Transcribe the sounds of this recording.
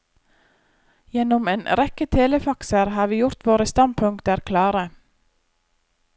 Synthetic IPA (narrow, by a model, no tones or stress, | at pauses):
jɛnɔmeːnʔɾɛkət̪ʰeːləfɑksəɾhɑːɾʋiːjʊɾt̪ʋoːɾəst̪ɑnpʰʉŋkt̪əæːɾkʰlɑːɾə